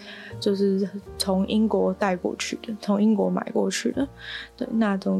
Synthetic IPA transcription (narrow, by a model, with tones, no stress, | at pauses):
t͡ɕjo˥˧ʊʂɻ̩˥˩˨t͡sʰʊ˧˥ŋʔi˥ŋkwɔ˧˥t̪a˥˧ɪkwɔ̰˥˧t͡ɕʰy̰˥˩d̪ə˩t͡sʰʊ˧˥ŋi˥ŋkwɔ˧˥ma̰˨˩ɪkwɔ˥˧t͡ɕʰy˥˩d̪ə˩t̪we˥˩ɪna˥˩ʈ͡ʂ̪o˥˩